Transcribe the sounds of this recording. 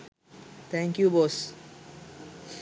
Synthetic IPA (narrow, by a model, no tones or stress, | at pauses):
t̪ʰɛ̃ŋkjuboːs